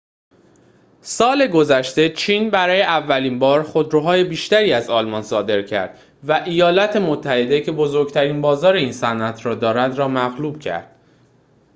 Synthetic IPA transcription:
sɒːle̞ɡo̞zæʃt̪e̞t͡ʃʰiːnbæɾɒːjeʔævːæliːnbɒːɾxo̞d̪ɾuɦɒːje̞biːʃt̪æɾiːæzɒːlmɒnsɒːd̪e̞ɾcʰæ̰ɾd̪̥ | væʔejɒːlɒːt̪ʰe̞mot̪ʰːæhe̞d̪e̞cʰe̞bo̞zo̞ɾɡt̪ʰæɾiːnbɒːzɒːɾeiːnsænʔæt̪ʰɾɒːd̪ɒːɾæd̪ɾɒːmæɣluːb̥cʰæ̰ɾd̪̥̚

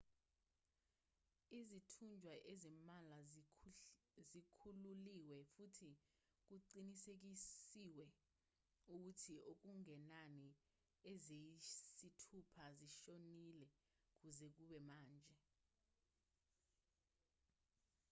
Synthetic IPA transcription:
izitʰund͡ʒʱwaʔɛzɛmala | zikʰululiwɛfutʰi | k̬uǃinisek̬iiwɛ | uk̬utʰiok̬uŋɛnani | ɛzejisitʰupʰaziʃonilɛ | k̬ʼuzɛk̬uɓɛmaːnd͡ʒʱɛ

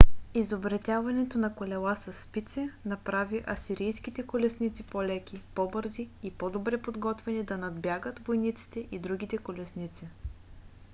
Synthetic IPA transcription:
izobɾɛt̪ʲjavɐnɛt̪onɐkolɛlˠasɐsːpit̪sɛnɐpɾaviʔɐsiɾijskit̪ɛkolɛsnit̪sipolɛk̟ʲipɔbɤɾziːpɔd̪obɾɛpod̪ɡɔt̪vɛnid̪ɐnɐd̪bjaɡət̪vojnit̪si̥t̪ɛʔid̪ɾuɡʲit̪ɛkolɛsnit̪sɛ

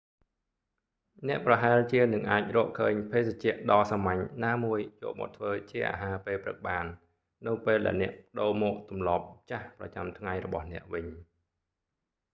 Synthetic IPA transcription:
nɛ̆əʔprɑɦaɛlt͡ɕiənɨŋʔaːc̚rɔːʔkʰəːɲpʰeːs̬at͡ɕɛ̆əʔ̚ɗɑːsamaɲnaːmuəjjo̰ːʔmo̰t̪ʰʋəːt͡ɕiəʔa̰ːɦaːpeːlprɨ̰k̚ɓaːnː | ɨwpeːlɗa̰ɛnɛ̆əʔpə̆ɗoːmɔːʔ̚t̪umlɑp̚t͡ɕahprɑ̰t͡ɕamt̪ʰŋajrɔɓɑhnɛ̆əʔʋɨɲ

